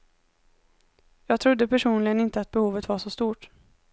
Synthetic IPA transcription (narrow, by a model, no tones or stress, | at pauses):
jɑːɡ̚t̪ʰɾʊd̪ːəpʰæʂuːnlɪɡənɪnt̪əat̪̚bɛhuːvət̪vaʂɔst̪uːʈ